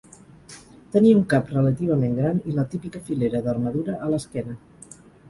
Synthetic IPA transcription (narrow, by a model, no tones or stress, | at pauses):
t̪əniəuŋkaprələt̪iβ̞əmẽŋɡɾanilət̪ipikəfileɾəðərməðuɾəʔːləskɛnə